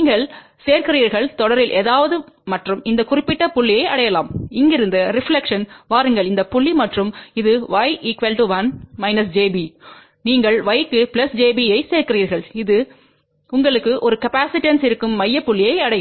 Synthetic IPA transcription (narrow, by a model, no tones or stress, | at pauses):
niːŋɡɐɭ | seːɾkɪriːɾɣɐɭt̪ɔɽɐɾɪlʔeːðaːʋɐðɯmɐʈrɯmɪnd̪ɐkʊrɪpːɪʈːɐpʊɭːɪjɐɪʔɐɽɐjɐlaːmɪŋɡɪɾɯnd̪ɐɾɪfɭɛkʂɐnʋaːɾɯŋɡɐɭɪnd̪ɐpʊɭːimɐʈrɯmɪðɯʋɐjʔɪkʋɐlʈɯʋɐnmɐɪnɐsd͡ʒeːbi | niːŋɡɐɭʋɐɪkːɯpɪlɐsd͡ʒeːbiɐɪseːɾkɪriːɾɣɐɭɪðɯ | ʊŋɡɐɭɯkːɯʔɔɾɯkɐpaːsɪʈːɐnsɪɾɯkːɯmːɐjːɐpːʊɭːɪjɐɪɐɽɐj